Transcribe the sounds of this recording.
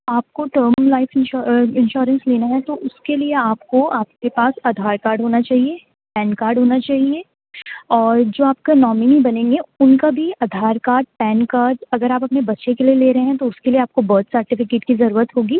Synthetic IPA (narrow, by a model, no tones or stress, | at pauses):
aːp̚koʈəːɾmlaːɪfɪ̃nʃɪ̃nʃɔːɾə̃nsleːnaɦɛt̪oʔʊskelieaːpkoaːp̚kepaːsɐd̪ʱaːɾkaːɾɖʱɦoːnat͡ʃaːɦie | pɛ̃ːnkaːɾɖɦoːnat͡ʃaːɦie | ɔːɾd͡ʒoːaːp̚kanɔːmɪnibɐnẽːŋɡeʊnkabʱiɐd̪ʱaːɾkaːɾɖ̚pɛːnkaːɾɖɐɡəɾaːpɐpnebɐtːʃekelieleːɾɐɦeɦɛ̃t̪oʊskelieaːp̚kobəːt̪səɾʈɪfɪkeːʈkizɐɾuːɾət̪ɦoːɡiː